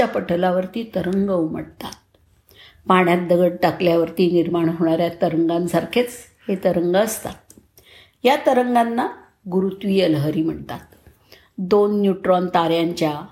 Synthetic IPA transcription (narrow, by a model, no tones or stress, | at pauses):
apəʈʰəlaʋəɾt̪iːt̪əɾəŋɡəwm̤ə̰ɽt̪a̰t̪̚ | paɳjat̪̚d̪əɡəɽ̚ʈakljaʋəɾt̪iːniɾmaɳɦoɽ̃aɾjat̪əɾəŋɡansaɾkʰet͡s | het̪əɾəŋɡaəst̪a̰t̪̚ | jat̪əɾəŋɡanːa | ɡuɾut̪ʋiːəlɦəɾiːm̤əɽt̪at̪̚ | d̪onːjuʈɾɔnt̪aɾjaɲt͡ɕja